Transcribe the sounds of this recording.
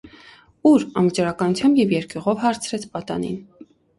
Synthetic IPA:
uɾɑnvət͡ʃɑɾɑkɑnut͡sʰjɑmbjɛvjɛɾkuʁɔvhɑɾt͡sʰɾɛt͡sʰpɑt̪ɑ̰nḭn

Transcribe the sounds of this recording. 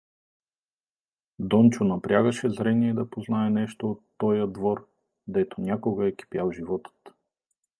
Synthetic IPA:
d̪ɔnt͡ʃonɐpɾʲjaɡəʃɛzɾɛniɛid̪ɐpoznaɛnɛʃt̪oːt̪ːɔjəd̪vɔɾ | d̪ɛt̪onʲakoɡəɛki̥pjalˠʒivɔt̪ə̥t̪

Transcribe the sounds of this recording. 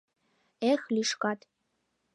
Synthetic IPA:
exliʃkɑt̪

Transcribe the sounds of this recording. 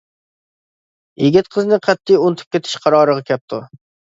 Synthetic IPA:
jeɡʲɪt̪̚qʰəznɨqʰɛt̪ʰːijunt̪ʰɨ̥p̚ʲkʲet̪ʰɪ̥ʃqʰɑɾɑːɾəʁɑkʲʰɛp̚t̪ʰṵ

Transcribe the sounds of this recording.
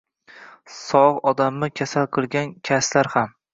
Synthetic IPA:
sɒʁɒd̪amːɪkʲʰasalˠqʰɨlˠɡʲankʲʰaslaɾham

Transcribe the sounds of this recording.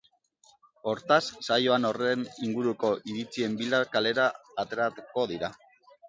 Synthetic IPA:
o̞ɾt̪asːajo̞ano̞reniŋɡuɾuko̞ʔiɾit͡sie̞mbilakale̞ɾaːt̪e̞ɾat̪uko̞ðiɾa

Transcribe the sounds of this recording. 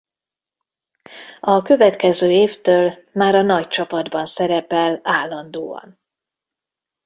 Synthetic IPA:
ɒkø̞vɛt̪kɛzøːeːft̪øːl | maːɾɒnɒct͡ʃɒpɒd̪bɒnsɛɾɛpɛlaːlːɒnd̪oːɒ̰n

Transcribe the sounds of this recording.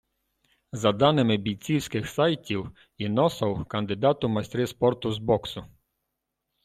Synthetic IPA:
zɐd̪ɑnɪmɪbʲij̪t͡sʲiwsʲkɪxsɑjtʲiw | inɔsɐwkɐnd̪ɪd̪ɑt̪ʊmɐsʲt̪ɾɪspɔrt̪ʊzbɔksʊ

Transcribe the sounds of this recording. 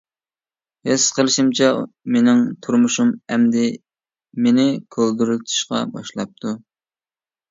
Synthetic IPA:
hesqʰəlˠɨʃimt͡ʃʰɛmenɪŋt̪ʰuɾmuʃumɛmd̪ɪ | menɪkʲʰøld̪yɾylt̪ʰu̥ʃqɑ̰bɑ̰ʃlˠɑp̚t̪ʰu

